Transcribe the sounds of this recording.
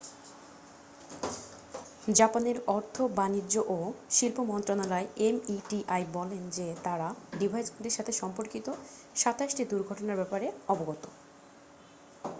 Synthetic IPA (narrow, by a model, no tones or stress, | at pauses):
d͡ʑapaneɾɔɾt̪ʰobanid͡ʑoʔoʃilpomɔnt̪ɾonalaeemiʈiʔajbɔlend͡ʑet̪aɾaɖibʱajd͡ʑkud̪eɾʃat̪ʰeʃɔmpoɾkit̪o | ʃat̪aʃʈid̪uɾɡʱɔʈonaɾbɛpaɾeɔboɡɔt̪o